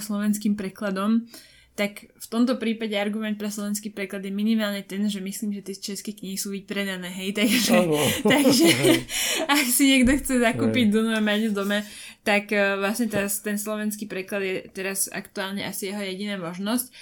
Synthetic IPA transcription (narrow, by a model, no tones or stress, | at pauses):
slɔʋɛnskiːmpɾɛklad̪ɔm | t̪akft̪ɔmt̪ɔpɾiːpaɟɛaɾɡumɛnt̪̚pɾɛslɔʋɛnskiːpɾɛklad̪jɛminimaːlɲɛt̪ɛnʒɛmisliːmʒɛt̪ɛt͡ʃɛskɛkɲiɦisuːʋipɾɛd̪anɛːɦɛjt̪aɡʒɛt̪aɡʒɛ | aksiɲɛɡd̪ɔxt͡sɛzakuːpiɟd̪ɔnuamaɟud̪ɔma | t̪akːʋlasɲɛt̪ast̪ɛnslɔʋɛnskiːpɾɛklad̪jɛt̪ɛɾaza̰kt̪uaːlɲɛʔasijɛɦɔjɛɟinaːmɔʒnɔsc